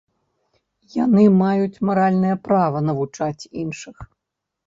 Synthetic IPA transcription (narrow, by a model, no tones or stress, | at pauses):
janɨmajut͡sʲmaɾalʲnɨjɐpɾavɐnɐvut͡ʂat͡sʲinʂɨx